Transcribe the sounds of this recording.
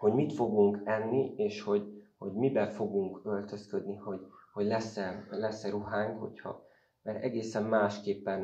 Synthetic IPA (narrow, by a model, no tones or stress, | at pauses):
ho̞ɟmit̪fo̞ɡuŋkɛnːieːʃho̞ɟho̞ɟmibɛfo̞ɡuŋkø̞lt̪ø̞skød̪niho̞ɟhoɟlɛsɛlɛsɛɾuɦaːŋkho̞̰chɒ̰ | mɛɾɛɡeːsɛmːaːʃkeːpːɛn